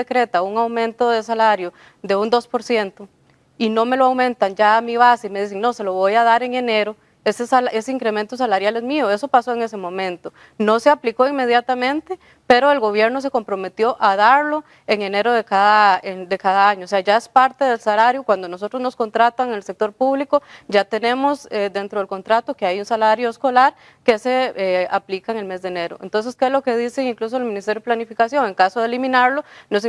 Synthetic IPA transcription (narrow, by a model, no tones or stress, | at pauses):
ekɾe̞t̪auŋawmẽ̞nt̪o̞ðe̞salaɾjo | ðe̞und̪o̞spo̞ɾsje̞nt̪o | ino̞me̞loawmẽ̞nt̪and͡ʒaːmiβasime̞ðis̬eŋno̞se̞lo̞βo̞jaðaɾe̞ŋe̞ne̞ɾo̞ | esesale̞seiŋkɾe̞me̞nt̪os̬alaɾjale̞zmioe̞so̞paso̞e̞ŋe̞s̬emõ̞mẽ̞nt̪o | no̞seapliko̞iŋme̞ð̞jat̪amẽ̞nt̪e̞ | pe̞ɾo̞e̞lɣo̞βje̞ɾno̞s̬e̞ko̞mpɾo̞me̞t̪jo̞ʔaðaɾlo | eŋe̞ne̞ɾoðekaðaed̪e̞kaðaaɲooːse̞aʝae̞spaɾt̪e̞ðe̞lsalaɾjokwand̪onos̬o̞t̪ɾozno̞sko̞nt̪ɾat̪aŋelsek̚t̪o̞ɾpuβlikod͡ʒat̪e̞ne̞mosed̪e̞nt̪ɾoðelko̞nt̪ɾat̪okeajunsalaɾjoesko̞laɾ | ke̞se̞aplikaeŋe̞lme̞zd̪ene̞ɾo̰ent̪o̞ns̬e̞skelo̞ke̞ðiseiŋklus̬oelmĩnist̪ejoeplanifikasjo̞ŋe̞ŋkasoðelimĩnaɾlonos